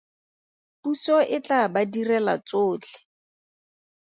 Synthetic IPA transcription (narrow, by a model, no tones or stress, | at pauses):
pusɔʔɪt͡ɬabadirɛla̰t͡soːt͡ɬʰɪ̥